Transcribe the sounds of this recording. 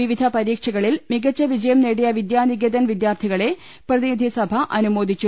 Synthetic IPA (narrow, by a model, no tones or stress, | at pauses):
iʋid̪ʱɐpɐɾiːkʂɐɣɐɭilmiɡɐt͡ɕːɐʋid͡ʑɐjɐmneːɽijɐʋid̪jaːniɡed̪ɐnʋid̪jaːrt̪ʰiɣɐɭe̞ | prɐðinid̪ʱisɐbʱɐʔɐnumo̞ːd̪ʱit͡ɕːu